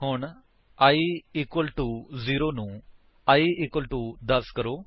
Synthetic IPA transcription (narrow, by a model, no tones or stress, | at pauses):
ɦʊɳ | aːiːɪkwəlʈuːziːɾoːnũː | aːiːɪkwəlʈuːd̪əɾskəɾoː